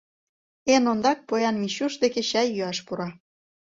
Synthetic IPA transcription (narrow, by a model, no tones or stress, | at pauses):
enond̪ɑk̚pojɑnmiɕuʃd̪ekeɕɑjːyɑʃpuɾɑ